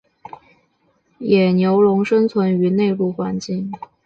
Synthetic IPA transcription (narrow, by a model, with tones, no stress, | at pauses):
jɛ˨˩njo˧˥ʊlʊ˧˥ŋʂə˥ŋt͡sʰwə˧˥ny˧˥ne˥˧ɪlu˥˩xwa˧˥nt͡ɕi˥˩ŋ